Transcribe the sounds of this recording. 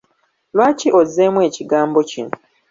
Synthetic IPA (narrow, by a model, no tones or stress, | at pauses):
lwaːciʔozːeːmwe̞ːciɡaːmbo̞cino